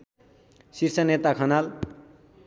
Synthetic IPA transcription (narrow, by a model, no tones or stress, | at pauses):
sirsʌnet̪akʰʌnal